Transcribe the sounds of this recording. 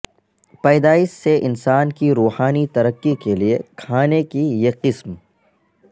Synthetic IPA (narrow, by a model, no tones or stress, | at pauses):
pɛːd̪aːɪsːeʔɪnsaːnkiɾuːhaːnit̪ɐɾəqːikeliekʰaːnekijeqɪsm